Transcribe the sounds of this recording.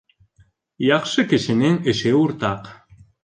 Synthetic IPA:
jɑqʃɤ̆keʃeneneʃeuɾt̪ɑq

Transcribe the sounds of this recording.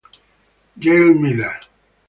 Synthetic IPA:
ɡelmila

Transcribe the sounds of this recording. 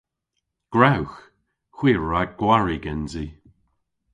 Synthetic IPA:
ɡ̥ɹawx | xwiːɹːaɡ̥waɹiɡɛnzi

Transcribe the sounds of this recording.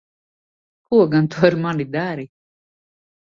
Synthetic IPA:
kuɔɡant̪ʰuaɾmalid̪aɾi

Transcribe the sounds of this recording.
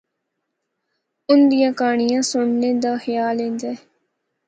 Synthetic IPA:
ʊnd̪ijãːkaːɳɪjãːsʊɳneːd̪aːxjaːlẽːnd͡ʒ̪ae

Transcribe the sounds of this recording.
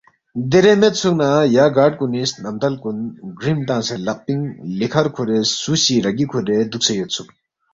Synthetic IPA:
d̪eɾemet̪̚t͡sʰuʔnajaɡaːʈ̚kunisnamt̪alkunɡɹimt̪aŋselaʔ̚piŋlikʰaɹkʰoɾeːsuɕiɾaɡikʰuɾed̪uk̚t͡sʰejøt͡sʰuʔ̚

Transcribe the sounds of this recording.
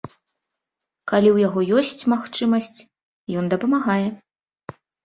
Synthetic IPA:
kalʲiwjaɣɔjɔsʲt͡sʲmaxt͡ʂɨmɐsʲt͡sʲ | jɔnd̪ɐpɐmaɣajɛ

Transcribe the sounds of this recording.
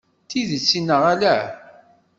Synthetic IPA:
θiðət͡sːinːəʁalæ

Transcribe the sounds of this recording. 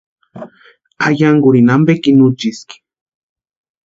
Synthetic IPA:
ajaŋɡuɾinambekinut͡ʃiski̥

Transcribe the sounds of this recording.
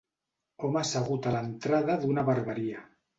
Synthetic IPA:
omasaɣut̪alaent̪ɾaðaðunaβaɾβaɾia

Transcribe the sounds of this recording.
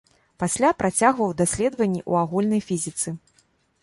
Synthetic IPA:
pasʲlʲapɾat͡sʲaɣvɐwd̪asʲlʲɛd̪vɐnʲːiʔṵaɣulʲnɐjfʲizʲit̪sɨ

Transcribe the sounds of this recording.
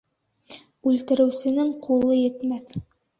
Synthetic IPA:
ʉlt̪ɘ̆ɾɘ̆wsɘ̆nɘŋqʰulˠɤjɘ̆t̪mæθ

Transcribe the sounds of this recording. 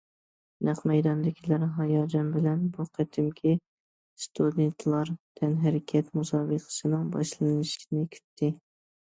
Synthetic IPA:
næqmɛjd̪ɑnd̪ɪkʲʰilæɾɦɑjɑːd͡ʒɑnbɪlɛnbuqʰæt̪ʰɪmkʲʰi | st̪ʰud̪ent̪ʰlˠɑɾt̪ʰɛnɦæɾɪkʲʰɛt̪musɑːbəqʰə̥sɨnɨŋbɑʃlˠɨnɨʃʲnɪkʲʰy̥t̪ʰːɪ

